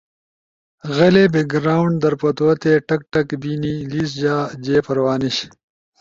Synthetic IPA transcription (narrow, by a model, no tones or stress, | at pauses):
ɣɐleːbeɡɾaːwɳɖ̚d̪ɐɾpɐt̪oɐt̪eːʈɐk̚ʈɐkbiːniːliːs̬d͡ʑaːd͡ʑeːpɐɾwaːniɕ